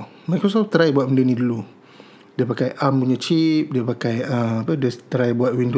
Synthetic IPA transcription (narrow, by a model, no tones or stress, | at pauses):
majkɾos̬ɔft̪əɾajbuat̪̚məndənĩdulu | diəpakajʔampuɲə̃t͡ʃip̚diəpakajəmapədət̪əɾajbuat̪̚windo